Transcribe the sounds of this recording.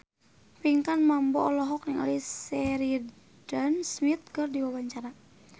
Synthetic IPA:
piŋkanmambɔɔlɔɦɔknaŋa̰lisɛɾi | dansmit̪̚kɨrdiwawaɲt͡ʃaɾa

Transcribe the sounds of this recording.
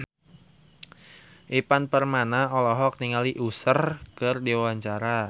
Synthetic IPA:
ʔipanpərmanaɔlɔɦɔk̚niŋaliʔusərkɨrdiwawaɲt͡ʃaɾa

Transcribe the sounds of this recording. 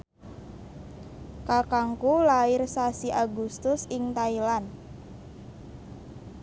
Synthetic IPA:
kakaŋkulaɪrsasiʔaɡust̪ʊsɪŋt̪ailan

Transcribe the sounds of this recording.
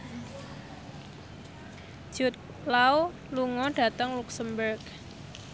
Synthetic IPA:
d͡ʒ̥ut̪̚ | law | luŋɔɖ̥a̤t̪əŋluksəmbərk

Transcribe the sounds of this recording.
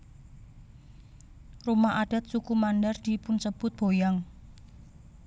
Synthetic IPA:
rumaʔaɖ̥a̤t̪̚sukumandard̪̥i̤pʊnsəb̥ʊt̪̚b̥o̤jaŋ

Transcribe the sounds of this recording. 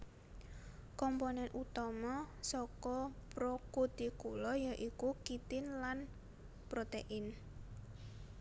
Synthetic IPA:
kɔmponɛnʔut̪ɔmɔsɔkɔpɾokud̪̥ikulɔjaʔikukit̪ɪnlan | pɾot̪eʔɪn

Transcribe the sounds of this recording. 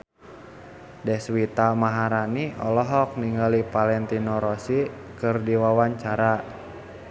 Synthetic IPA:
dɛswit̪amaɦaɾaniɔ̰lɔɦɔk̚niŋɡalipalɛnt̪inɔɾɔsi | kɨrdiwawaɲt͡ʃaɾa

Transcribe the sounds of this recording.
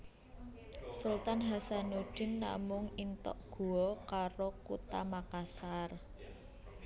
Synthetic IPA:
sult̪anɦasanuɖ̥ɪ̤nːa̰mʊŋint̪ɔ̰ʔɡ̥ṳɔkaɾokut̪amakasar

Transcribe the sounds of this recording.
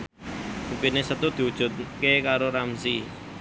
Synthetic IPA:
upinesət̪ud̪̥i̤ud̥ʒ̥ṳt̪̚kekaɾoɾamsi

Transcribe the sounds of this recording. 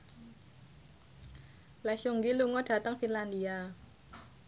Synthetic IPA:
lɛsuŋɡiluŋɔɖ̥ä̤t̪əŋfinland̪ia

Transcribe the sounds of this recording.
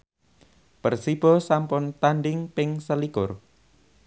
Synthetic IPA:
pərsib̥ɔsampʊnt̪anɖɪŋpɪŋsəlikʊr

